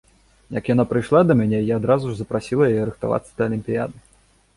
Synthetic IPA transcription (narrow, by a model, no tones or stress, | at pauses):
jɐkjan̪apɾɨjʂlˠad̪ɐmʲanʲɛjaːd̪ɾazuʐzɐpɾasʲilˠɐjajɛɾɨxt̪a̰va̰t̪sːɐd̪̥ɐlʲimʲpʲija̰d̪ɨ